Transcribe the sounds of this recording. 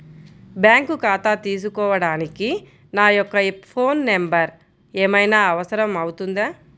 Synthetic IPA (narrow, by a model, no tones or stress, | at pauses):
bjaːŋkukaːt̪aːt̪iːs̬ukɔːʋɐɽaːniki | naːjɔkːɐpʰo̞ːnːembɐɾ | eːmɐjnaːɐʋɐsɐɾɐmɐwut̪und̪aː